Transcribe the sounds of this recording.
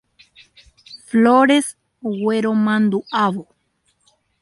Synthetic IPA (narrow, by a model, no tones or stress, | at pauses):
floɾes | weɾomand̪uaβo